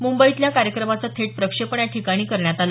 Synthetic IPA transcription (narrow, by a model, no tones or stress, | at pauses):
mumbəit̪ljakaɾjəkɾəmat͡sət̪ʰeʈ̚pɾəkʂepəɳjaʈʰikaɽ̃iːkəɾɳjat̪al